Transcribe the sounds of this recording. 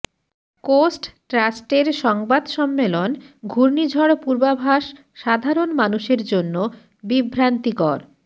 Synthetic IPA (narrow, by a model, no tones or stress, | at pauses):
kosʈʈɾasʈeɾʃɔŋbad̪ʃɔmːelonɡʱuɾnid͡ʑʱɔɽpuɾbabʱaʃː | ad̪ʱaɾonmanuʃeɾd͡ʑonːo | bibʱɾant̪ikɔɾ